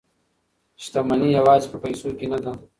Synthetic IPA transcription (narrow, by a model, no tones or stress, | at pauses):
ʃt̪amɐniɐwaːzpɐpɐjsoːkinɐd̪a